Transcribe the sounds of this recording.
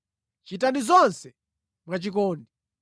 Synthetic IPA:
t͡ʃitandizɔnsɛ | mwat͡ʃikɔːndi

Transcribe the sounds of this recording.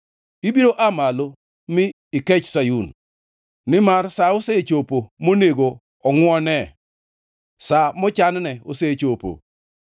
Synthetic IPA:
ibiɾoʔamalo | mɪː | ket͡ʃsajun | nɪmarsaoset͡ʃopomoneɡo | ɔŋwɔnɛ | samɔt͡ʃannɛoset͡ʃopo̰

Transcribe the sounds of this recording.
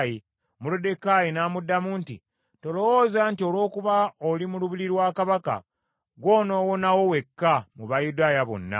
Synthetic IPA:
ji | mulude̞kajinaːmudːamuːnti | to̞lowoːzantio̞lwo̞ːkuβaolimuluβiɾiɾwaːkaβaka̰ | ɡwo̞ːno̞ːwo̞nawo̞we̞kːamuβajudaːjaβo̞̰nːa̰

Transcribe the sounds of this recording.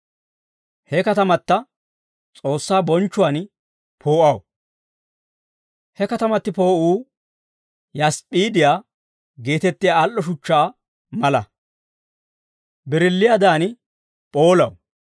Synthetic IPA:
hɛkɐt̪ɐmɐt̪ːɐ | t͡sʼo̞ːsːaːbɔnt͡ʃːʊwan | pʰo̞ːʔɐw | hɛkɐt̪ɐmɐt̪ːɪpo̞ːʔuː | jɐspʼiːd̪ɪjaː | ɡe̞ːt̪ɛt̪ːɪjaːlːɔʃʊt͡ʃːaː | mɐlɐ̰ | bɪɾɪlːɪjad̪aːn | pʼoːlɐ̰w

